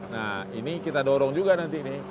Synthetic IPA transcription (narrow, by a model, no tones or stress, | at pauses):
nahḭnikit̪adɔɾɔŋd͡ʒuɡanant̪inih